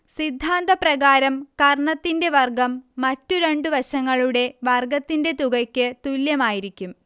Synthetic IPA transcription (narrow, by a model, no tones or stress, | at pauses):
sid̪ʱːaːnd̪ɐprɐɣaːɾɐmkɐrɳɐt̪ːinde̞ʋɐrɡɐmːɐtːuɾe̞ɳɖuʋɐɕɐŋːɐɭuɽe̞ʋɐrɡɐt̪ːinde̞t̪uɣɐkʲːɨt̪uljɐmaːjiɾikʲːum